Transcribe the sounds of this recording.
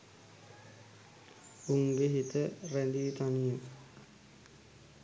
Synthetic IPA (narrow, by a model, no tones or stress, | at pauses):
uŋɡeɦit̪ərend̪iit̪anijum